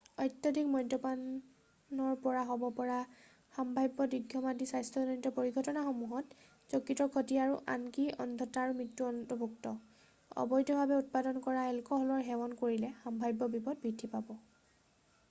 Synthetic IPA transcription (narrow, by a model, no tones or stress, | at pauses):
ɔjtjɔdʱikmɔjntɔpan | ɔɹpɔɹaɦɔbɔpɔɹa | xambʱajbːɔdiɡʱjɔmadisajstʰɔɔɔnitɔpoɹiɡʱɔtɔnaxomuɦɔt | zɔkːitɔkʰɔtiaɹuʔa̰nkiɔ̰ndʱɔtaːɹumitːuɔntɔbʱuktɔ | ɔ̰bɔjdɔbʱabɛut̚padɔnkɔɹaɛlkɔɦɔlɔɹɦɛwɔnkoɹilɛxambʱajbːɔbipɔd̚bɹidʱːipabɔ